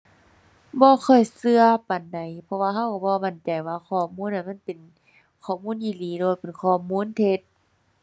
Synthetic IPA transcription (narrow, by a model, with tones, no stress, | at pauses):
bɔː˧˦xʰɔ˧˩jsɯ˧ɐpa˨nda˨˩jpʰɔ˧waː˧ɦa˧˩˨wka˧˩bɔː˧˦ma˧˩nt͡ɕa˨˩jwaː˧˨kʰɔː˧˩muː˧˥˨nʔa˧˨ma˧˥˨npe˨n | kʰɔː˧˩muː˧˥˨njiː˧˨˩liː˨˦lɛː˧˩waː˧pe˨nkʰɔː˧˩muː˧˥˨nt̪ʰe˧t̪̚